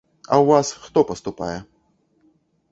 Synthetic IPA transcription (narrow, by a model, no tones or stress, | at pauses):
ɐ̰wvasxt̪ɔpɐst̪upa̰jɛ